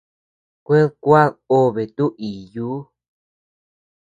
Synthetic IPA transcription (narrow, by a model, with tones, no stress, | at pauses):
kʷe˦ðkʷa˦o˦βe˨t̪u˦ʔi˨juː˦